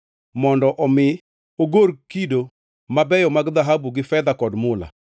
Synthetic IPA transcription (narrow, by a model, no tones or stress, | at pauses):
mɔndɔʔɔmɪ | oɡoɾkido | mabɛjɔmaɡd̪aɦabuɡɪfɛd̪akɔdmʊla̰